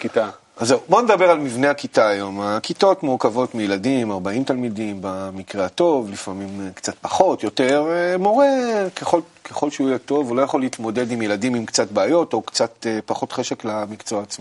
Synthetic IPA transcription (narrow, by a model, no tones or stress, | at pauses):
kit̪a | azewboned̪abe̞ʁalmivne̞akitaːjo̞makito̞tmuʁkavo̞tmijeladimaʁbaimtalmidimbamikʁeato̞vlifamimkt͡sat̚paχo̞tjo̞te̞ʁmo̞ʁe̞keχo̞l | kʰeχo̞lʃeujɛto̞vulo̞jaχoliit̪mo̞de̞dimjeladimimkt͡satbeajo̞to̞kt͡sat̪epaχo̞tχeʃe̞klamikt͡so̞aːt͡smo